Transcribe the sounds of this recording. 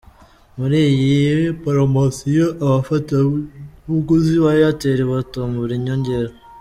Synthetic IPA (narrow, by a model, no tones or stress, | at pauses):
muɾijipaɾomasijoʔaβafataβuɡuziβajoateɾeβatomuβiɾiɲoɲɟeɾo